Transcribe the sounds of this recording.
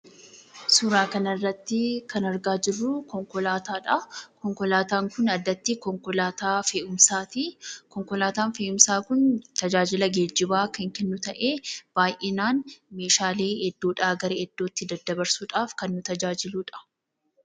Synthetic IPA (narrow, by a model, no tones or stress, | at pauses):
sʊɾaːkɐnɐrːɐt̪ːɪkɐnɐɾɡaːd͡ʒɪrːʊkɔŋkɔlaːt̪aːᶑɐkɔŋkɔlaːt̪aːŋkʊnɐd̪ːɐt̪ːɪkɔŋkɔlaːt̪aːfeːʔʊmsaːt̪ikɔŋkɔlaːt̪aːnfeːʔʊmsaːkʊnt̪ɐd͡ʒaːd͡ʒɪlɐɡeːd͡ʒːɪbaːkɐŋkɛnːʊt̪ɐʔe̞ːb̥aːjʔenaːnme̞ːʃaːleːɛd̪ːoːᶑaːɡɐɾɐɛd̪̥ːo̞ːt̪ːɪd̪ɐd̪ːɐbɐɾsuːᶑaːfkɐnːʊt̪ɐd͡ʒaːd͡ʒɪluːᶑɐ̥